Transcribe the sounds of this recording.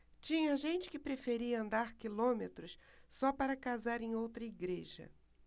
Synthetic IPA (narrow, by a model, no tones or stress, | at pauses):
t͡ʃĩɲɐʒẽnt͡ʃɪ̥kɪpɾefeɾiɐɐ̃nd̪aɾkilõmet̪ɾʊssɔpaɾɐkazaɾẽj̃owt̪ɾɐiɡɾeʒɐ̰